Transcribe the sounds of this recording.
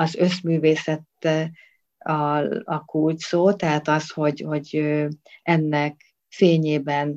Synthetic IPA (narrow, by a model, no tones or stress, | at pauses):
ɒzø̞smyːveːsɛt̪ːɛ | ɒɒkult̪soːt̪ɛɦaːt̪ɒsho̞ɟho̞ɟøɛnːɛk | feːɲeːbɛn